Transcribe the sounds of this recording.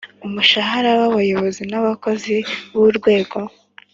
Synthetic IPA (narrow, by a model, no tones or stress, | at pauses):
umuʃaɦaɾawaβajo̞βo̞zinaβako̞ziβuɾɡwe̞ːɡo̞